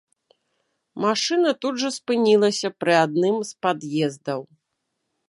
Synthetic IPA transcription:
maʂɨnɐt̪ud̪ʐɐspɨnʲilˠɐsʲɐpɾɨad̪̚nɨmspad̪jɛzd̪ɐw

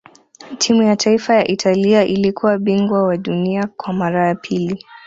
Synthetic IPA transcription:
tʰimujatʰaifajaʔitʰaliaʔilikʰuwaɓiŋɡwawaɗuniakwamaɾajapʰili

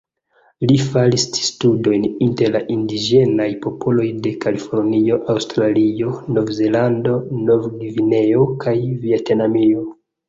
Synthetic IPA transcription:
lifalisi̥studo̞jninte̞ɾlaʔindid͡ʒe̞najpo̞po̞lo̞jde̞kalifo̞ɾnio̞ʔawstɾalio̞no̞vze̞lando̞no̞vɡivine̞o̞kʰajviatenamio

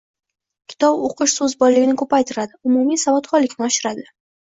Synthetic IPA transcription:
kʲʰɪ̥t̪ʰɒboqʰɨʃsɵzbɒjlɪɡʲɪnɪkʰɵpajt̪ʰɪɾad̪ɪʊmumijsavɒt̪χɒlɪkʲnɪɒʃɪɾad̪ɪ

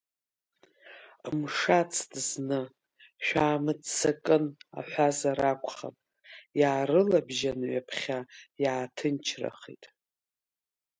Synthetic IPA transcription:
mʂat͡sʰdznɨ | ʃᶣaːmɨdt͡sʰːakʼɨna̰ħʷazaɾakʷʰʼχa̰mʼ | jaːɾɨlabʒanɥapʰχʲajaːtʰɨnt͡ʃʰra̰χḭtʼ

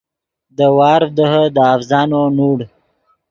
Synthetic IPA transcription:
d̪əwɑːɾd̪əɦəd̪əafzɑːnonuːɽ

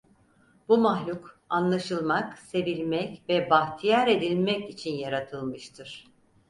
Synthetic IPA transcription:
bumaɦlʲuk | anlˠaʃɯlˠmakse̞vilʲmɛcvɛbaht̪ʰijaɾe̞d̪ilʲmɛcit͡ʃʰinjaɾat̪ʰɯlˠmɯʃt̪ʰɯɾ̥

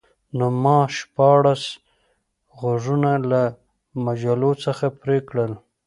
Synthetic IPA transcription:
nomɑʃpɑɽas | ɣoʐunala | mad͡ʒalot͡səxapɾekɽəl

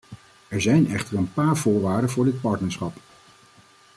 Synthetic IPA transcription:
ɛɹzɛjnɛχtəɹənpaːɹvʊːɹʋaːɹdənvʊːɹdɪt̚pɑɹtnəɹsχɑp

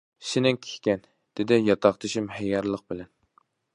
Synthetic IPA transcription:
sɪnɪŋkʲʰe̥hʲkʲɛn | d̪̥ɪd̪ɪjɑt̪ʰɑqt̪ʰɨʃɪmhɛjɑɾlˠəq̚bɪlɛn

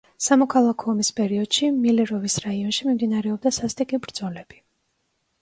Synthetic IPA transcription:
samɔkʰalˠakʰɔɔmispʼɛɾiɔd̪̥ʃimilɛɾɔvisɾaiɔnʃimimd̪inaɾɛɔb̚d̪asast̪ʼikʼibɾd̪zɔlɛb̥i

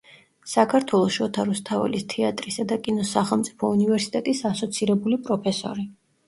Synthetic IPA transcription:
sakʰaɾt̪ʰwɛlˠɔʃɔt̪ʰaɾust̪ʰavɛ̰list̪ʰɛat̪ʼɾisad̪akʼinɔsaχɛlˠmt̪sʼi̥pʰɔunivɛɾsi̥t̪ʼɛt̪ʼisasɔt̪sʰiɾɛbulipʼɾɔpʰɛsɔ̰ɾi

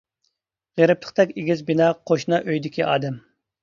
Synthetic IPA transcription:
ʁeɾɪp̚t̪ʰə̥χt̪ʰɛkʲeɡʲizbinɑqʰoʃnɑʔøjd̪ɪkʲiʔɑ̰ːd̪ɛm

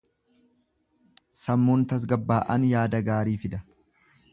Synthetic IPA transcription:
sɐmːuːnt̪ɐs̬ɡɐbːaːʔɐ̰njaːd̪ɐɡaːɾiːfɪd̪ɐ

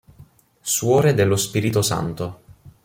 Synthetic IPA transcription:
swɔːɾed̪elːospiːɾit̪osa̰nt̪o

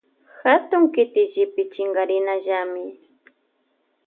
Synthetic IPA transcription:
xat̪ʊŋkɪt̪ɪʒɪpɪt͡ʃɪŋɡaɾɪnaʒamɪ

